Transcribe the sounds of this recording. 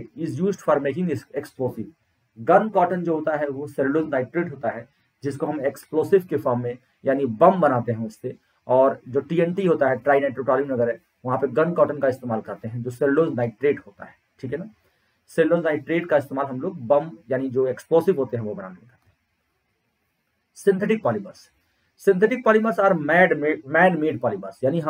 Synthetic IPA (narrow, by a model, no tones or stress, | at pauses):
ɪzjuːzɖfɔɾmeːkɪ̃ŋɡɪseksploːsɪʋ | ɡɐnkɔːʈənd͡ʒoːɦoːt̪aɦɛʋosɛlɖoːznaːɪɖʈɾeːʈɦoːt̪aɦɛ | d͡ʒɪskoɦɐ̃meksploːsɪʋkefɔːɾmːẽ | jaːnibɐ̃mbɐnaːt̪eɦɛ̃ʊsːe | ɔːɾd͡ʒoːʈiːɛ̃ɳʈiɦoːt̪aɦɛʈɾaːɪnaɪʈɾoʈɔːɾijə̃mnɐɡəɾɛ̃ | ʋɐɦãpeɡɐnkɔːʈə̃nkaɪst̪eːmaːlkɐɾt̪eɦɛ̃d͡ʒoːselɖõːznaːɪʈɾeːɖɦoːt̪a̰ɦɛːʈʰiːkɦɛnaː | selːõːznaːɪʈɾeːʈkaɪst̪eːmaːlɦɐmloːɡ̚bɐmjaːnid͡ʒoːeksploːsɪʋɦoːt̪eɦɛ̃ʋobɐna̰ːneẽkɐɾt̪eɦɛ̃ | sɪ̃nt̪ʰeʈɪk̚pɔːlɪbə̰ɾs | sɪ̃nt̪ʰɛʈɪk̚pɔːlɪməsɔːɾmɛːɖmːmɛːɖmeːɖpɔːlɪbəsjaːniɦɐ